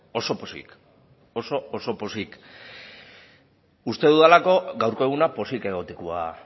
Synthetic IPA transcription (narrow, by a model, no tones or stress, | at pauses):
o̞so̞posḭk | o̞so̞ːso̞po̞sik | ust̪e̞ðuðalako̞ɡawɾko̞e̞ɣ̞unapo̞sike̞ɣ̞o̞t̪ekua̰